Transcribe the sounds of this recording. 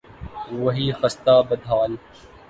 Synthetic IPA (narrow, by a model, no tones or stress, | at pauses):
ʋɐɦiːxɐst̪aːbɐd̪ʱɦaːl